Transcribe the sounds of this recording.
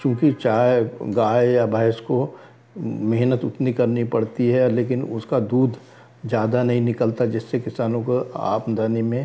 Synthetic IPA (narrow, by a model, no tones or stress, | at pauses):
kjõːkit͡ʃaːeɡaːjjabʱaɪʃko | mɛɦnət̪ʊt̪nikɐɾnipɐɽt̪iɦɛleːkɪnʊskad̪uːd̪ʱ | d͡ʒjaːd̪anɐɦĩnɪkəlt̪ad͡ʒɪsːekɪsaːnõkoa̰ːpnd̪aːnimẽ